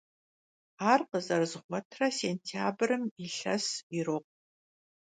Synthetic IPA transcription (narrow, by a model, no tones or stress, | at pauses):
aːrqəzɐrzʁʷɔtʰrɐseːntʰiaːbrɨmiɬɐsiɾɨq̚